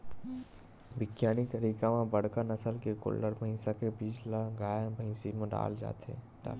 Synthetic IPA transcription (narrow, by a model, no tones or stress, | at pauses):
ʋɪkjaːñit̪ɐɾiːkamãbɐɽ̤kanɐsəlkekʊ̰lːəɾməĩːsakebiːt͡ʃlaɡaːjbəĩːsimõɖa̰ːld͡ʒa̰ːt̪ḛ | ɖa̰ː